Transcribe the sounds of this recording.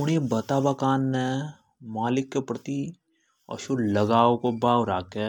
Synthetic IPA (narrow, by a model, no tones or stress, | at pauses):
ʊɽebɐt̪abakaːnːe | maːlɪkːepɾət̪i | ɔ̰ʃulɐɡaːokobaːɾaːke